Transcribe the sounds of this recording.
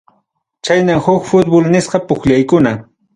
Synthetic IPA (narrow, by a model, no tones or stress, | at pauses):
t͡ʃajnaŋxʊkfʊt̪̚bolnɪsqɑpʊxʎajkʊna